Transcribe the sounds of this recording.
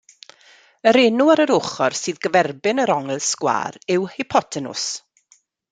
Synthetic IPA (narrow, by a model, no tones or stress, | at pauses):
əɾeːnuaɾəɾʊχɔrsɨːðɡəvɛrbɪnəɾɔŋɛlˠskwa̰ːɾɪwhɪpʰɔtʰɛnʊ̰s